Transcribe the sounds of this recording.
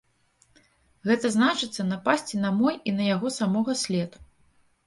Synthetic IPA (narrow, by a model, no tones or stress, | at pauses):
ɣɛt̪ɐznat͡ʂɨt̪sːɐnɐpasʲt͡sʲinamɔjinɐjaɣɔsamɔɣɐsʲlʲɛt̪u̥